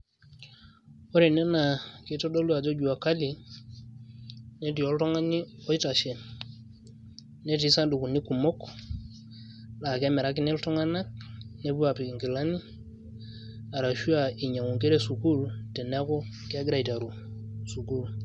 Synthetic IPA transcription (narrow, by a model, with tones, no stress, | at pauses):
o˦ɾe˨ne˦na˨ki˦to˦do˦lu˦a˨d͡ʒo˦d͡ʒu˨wa˨ka˦li˨ | ne˦di˨o˨˦lto˦ŋa˦ni˦ɔ˦i˦ta˨ʃe˨ | ne˦ti˨˦sa˦ndu˨ku˨ni˦ku˨mo˦k | la˨ke˦me˨ɾa˦k̬i˦ne˦lto˦ŋa˦na˦k̚ne˦bu˦a˨pi˨ki˨ŋɡi˨la˦ni˦ | a˨ɾa˨ʃu˦a˨i˨ɲa˨ŋu˨ŋke˦ɾe˦su˨ku˦lte˨na˦ko˦ki˦a˦ɡɾa˨i˨ta˨ɾu˨ | su˨ku˦˨l